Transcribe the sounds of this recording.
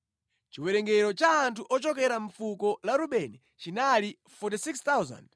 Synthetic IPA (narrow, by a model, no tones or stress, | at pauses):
t͡ʃiwɛɾɛŋɡɛɾɔt͡ʃaːntʰuʔɔt͡ʃɔk̬ɛɾaɱ̩fukɔlaɾuɓɛnɛ | t͡ʃinali | fɔt̬isikst̪awza̰nd